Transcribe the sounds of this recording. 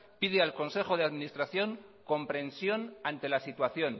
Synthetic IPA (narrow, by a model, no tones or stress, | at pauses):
piðealko̞nse̞xo̞ð̞e̞aðminist̪ɾaθjo̞ŋko̞mpɾe̞nsjo̞nant̪e̞lasit̪waθjo̞n